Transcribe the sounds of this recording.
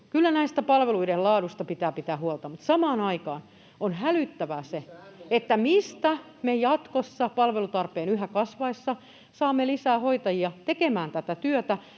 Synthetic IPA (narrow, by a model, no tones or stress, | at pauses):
kylːænæist̪æpɑlʋeluidellɑːɾust̪ɑpit̪æːpit̪æːhuolt̪ɑmut̪sɑmɑːnɑikɑːn | onɦælyt̪ːæʋæseet̪ːæmist̪æ | mejɑt̪kosːɑpɑlʋelut̪ɑrpeːnyɦækɑsʋɑisːɑ | sɑːmːelisæːhoit̪ɑjiɑt̪ekemæːnt̪æt̪æt̪yøt̪æ